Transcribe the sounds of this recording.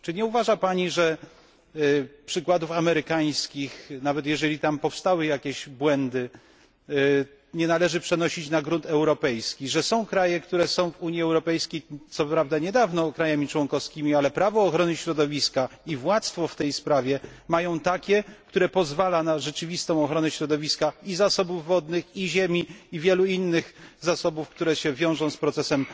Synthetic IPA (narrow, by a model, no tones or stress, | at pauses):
t͡ʂɘɲɛuvaʐapaɲiʐɛ | pʂɘkwad̪ufamɛɾɘkaj̃skʲixnavɛt̪jɛʐɛlʲit̪ampɔfst̪awɘjakʲɛʑbwɛnd̪ɘ | ɲɛnalɛʐɘpʂɛnɔɕit͡ɕnaɡɾunt̪ɛwɾɔpɛjskʲiʐɛsɔ̃w̃kɾajɛkt̪uɾɛsɔ̃w̃vuɲjiɛwɾɔpɛjskʲejt̪sɔpɾavd̪aɲɛd̪avnɔkɾajamʲit͡ʂwɔnkɔfskʲimʲialɛpɾavɔːxɾɔnɘɕɾɔd̪ɔvʲiskaivwat̪sfɔft̪ɛjspɾavʲjɛmajɔ̃w̃t̪akʲɛkt̪uɾɛpɔzvalanaʐɛt͡ʂɘvʲist̪ɔ̃w̃ɔxɾɔnɛɕɾɔd̪ɔvʲiskaizasɔbuvːɔd̪nɘxiʑɛmʲiivʲjɛluinːɘɣzasɔbufkt̪uɾɛɕɛvʲjɔ̃w̃ʐɔ̃w̃spɾɔt̪sɛsɛm